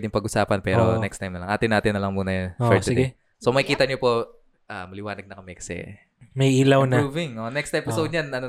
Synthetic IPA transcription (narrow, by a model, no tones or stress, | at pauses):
d̪ɪŋpɐɡʊsaːpɐnpɛːɾonɛkst̪ajmnɐlɐŋʔaːt̪ɪnaːt̪ɪnːɐlɐŋmuːnɐjɐnfɛɹt̪ɡ̪ɛ | somɐɪkiːt̪ɐɲopo̞ | ʔaːmɐlɪwaːnɐɡ̚nɐkɐmɛkɐ̥sɛ̰ | mɐjilɐwnɐuːvɪŋonɛkst̪ʔɛpɪsowd̪̚jɐnɐno